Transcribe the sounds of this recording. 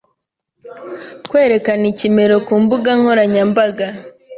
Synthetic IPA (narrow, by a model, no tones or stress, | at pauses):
kwe̞ːɾe̞kanicime̞ɾo̞kuːmbuɡaŋ̥ho̞ɾaɲambaɡa